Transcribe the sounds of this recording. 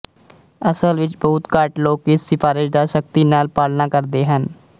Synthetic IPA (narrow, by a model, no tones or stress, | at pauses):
əsəlʋɪt͡ʃbəːʊt̪kaːʈloːkɪsːɪfaːɾɪʃd̪aːʃək̚t̪iːnaːlpaːlnaːkəɾd̪eːɦən